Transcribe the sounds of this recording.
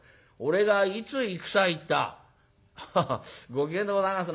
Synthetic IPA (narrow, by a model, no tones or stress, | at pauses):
o̞ɾe̞ɡait͡sɨikɯ̟̥sait̪ːa̰ | ɡo̞kẽnd̪oɡozãas̬ɨn